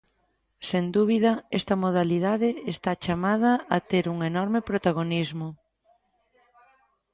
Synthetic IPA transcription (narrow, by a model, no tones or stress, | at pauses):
send̪uβ̞iðɐɛst̪ɐmoð̞aliðaðɪest̪at͡ʃamað̞ɐat̪eɾuŋenɔɾmɪpɾot̪aɣonizmʊ